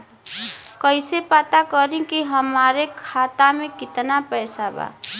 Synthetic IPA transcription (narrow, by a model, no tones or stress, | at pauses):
kʌjsepat̪akʌɾĩkiɦʌmaɾekʰat̪amekit̪napʌjsaba̰